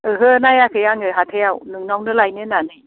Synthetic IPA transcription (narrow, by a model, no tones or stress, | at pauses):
ɯɦɯnajakʰɯjaŋɯɦat̪ʰejawnɯŋnɔwnɯlajnɯnanɯj